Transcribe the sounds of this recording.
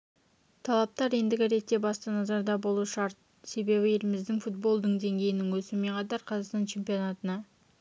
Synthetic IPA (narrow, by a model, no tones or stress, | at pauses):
t̪ʰɑlˠɑp̚t̪ɑɾe̞nd̪ɪɡʲɪɾe̞t̪ːe̞bɑst̪ənɑzɑɾd̪ɑbo̞lˠuʃɑɾt̪̚ | se̞be̞bɪe̞lɪmɪzd̪ɪŋfut̪̚bo̞lˠd̪əɴd̪e̞ŋɡʲe̞jɪnɪŋwɵsɪme̞qʰɑt̪ɑɾqʰɑzɑqst̪ɑnt͡ʃʰe̞mpijo̞nɑt̪ənɑ